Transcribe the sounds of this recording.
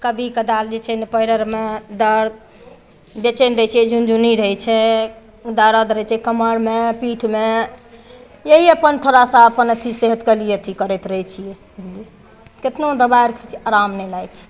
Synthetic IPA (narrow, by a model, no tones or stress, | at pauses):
kəbʱikəd̪ald͡ʒet͡ʃʰɛnepəiɾəɾmed̪əɾ | bjet͡ʃendət͡ʃʰiɛd͡ʒund͡ʒuniɾəɦjt͡ʃʰɛ | d̪aɾəd̪ɾəjt͡ʃʰɛkəməɾmepiʈʰme | jeɦiəpənt̪ʰoɾasãəpənət̪ʰiseɦət̪kəlijet̪ʰikəɾɛt̪ɾəɦt͡ʃʰijɛ | lie | ket̪nod̪əbajɾəkʰɛt͡ʃʰiaɾamnɛlajt͡ʃʰɛ̥